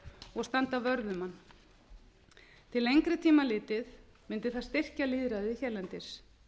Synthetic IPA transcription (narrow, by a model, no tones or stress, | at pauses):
ɔɣst̪ant̪avœɾðʏmanː | t̪ʰɪlejŋkɾʏt̪ʰiːmalɪːt̪ɪðmɪnt̪ɪθast̪ɪr̥caliːðɾaðɪiçɛɾlɛnt̪ɪs